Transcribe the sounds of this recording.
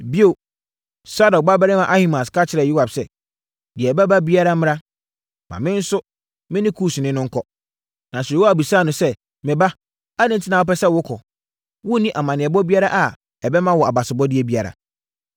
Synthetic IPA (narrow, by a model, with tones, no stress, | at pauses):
bi˦o˨ | sa˦dɔ˨k̚ba˦bɛ˦ɾɪ˦mã˨ʔa˦hĩ˦mã˨skʰa˦t͡ɕʰɪ˨ɾɛ˨ju˦ha˨bsɛ˦ | dɪ˨ɛ˨ba˦ba˦bi˦a˦ɾa˦mɪ̃˦ɾã˦ | mã̰˨mɪ̃˦n̩˦sʊ˦ | mɪ̃˦nɪ̃˦kʰuː˦˨snɪ̃˦nʊ̃˦ŋ̩˦kʰɔ˦ | nã˨sa˦˨bi˨saː˦˨nʊ̃˨sɛ˦ | mɪ̃˨ba˦ | a˦nɪ̃˦n˨tʰɪ˦nã˨wʊ˦pɛ˦sɛ˦wʊ˦kʰɔ˨ | wʊ˦nĩ˦ʔa˨mã˨nɪ̃˨ɛ˨bɔ˦bi˦a˦ɾa˦ʔa˨ | ɛ˨bɛ˦mã˦wɔ˨a˨ba˨sɪ˨bɔ˦dɪ˦ɛ˦bi˦a˨ɾa̰˨